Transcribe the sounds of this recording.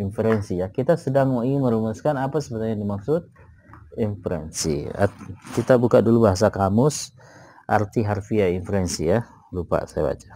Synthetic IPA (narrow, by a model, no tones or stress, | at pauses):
infəɾɛnsijakit̪asədaŋoiməɾumuskanapasəbət̪aɲadimaksʊt̪̚ | impɾɛ̰nsḭa̰kit̪abukadulubaɦas̬akamʊs | ʔart̪iɦarfiainfəɾɛnsija | lupa̰saja̰ba̰t͡ʃḁ